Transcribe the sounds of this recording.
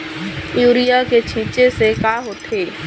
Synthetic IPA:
juːɾijaket͡ʃʰĩːt͡ʃesekaːɦoːt̪ʰeː

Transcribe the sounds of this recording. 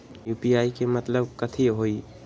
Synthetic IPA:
juːpiaːikemɐt̪ləbkɐt̪ʰiɦoːiː

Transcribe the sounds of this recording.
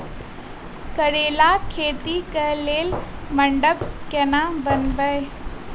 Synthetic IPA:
kɐɽeːlakʰeːt̪ikɐɦleːlmɐ̃ɳɖəbkɛːnabɐnbəe

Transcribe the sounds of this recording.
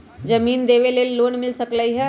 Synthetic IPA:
d͡ʒɐmiːnd̪eːʋeleːlloːɳmɪlsɐkləiɦɛ

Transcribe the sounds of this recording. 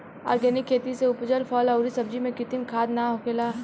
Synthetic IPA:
a̰ːɾɡɛnɪkʰːeːt̪iseʊpd͡ʒəlfʰɔːlɐʊɾisɐb̚d͡ʒimẽkɪt̪ɪmkʰaːd̪naɦokʰela

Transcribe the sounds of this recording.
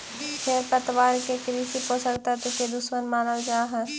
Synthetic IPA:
pʰeːɾpət̪ʋaːɾkekɾiːsiposəkt̪at̪oked̪ʊsmənmaːnəld͡ʒaːɦɛ̃ː

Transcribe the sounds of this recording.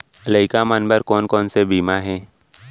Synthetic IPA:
ləɪkamənbəɾkɔːnkɔːnsebiːmaɦɛː

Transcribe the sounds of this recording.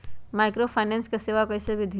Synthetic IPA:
maːɪkɾopʰaɪnẽːnskeseːʋakɐjsebʱɪd̪ʱi

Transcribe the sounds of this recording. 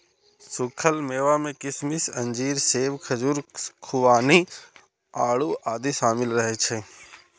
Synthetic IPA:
sʊkʰəlmeːʋamẽkɪsmisɐ̃nd͡ʒiːɾseːʋkʰəd͡ʒuɾkʰʊʋaːni | aːɽuʔaːd̪isaːmɪlɾəɦet͡ʃʰe

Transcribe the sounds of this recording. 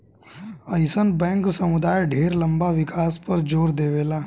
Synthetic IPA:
ɐɪsənbɛ̃ːŋksɐmʊd̪aːjɖʱeːɾlɐ̃mbaʋɪkaːspɐɾd͡ʒoːɾd̪eːʋeːlaː

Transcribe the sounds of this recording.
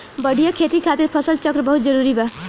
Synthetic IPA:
bʌɽʱijʌkʰet̪ikʰat̪iɾpʰʌsʌlt͡sʌkrʌbʌɦut̪̚d͡zʌɾuɾibʌ

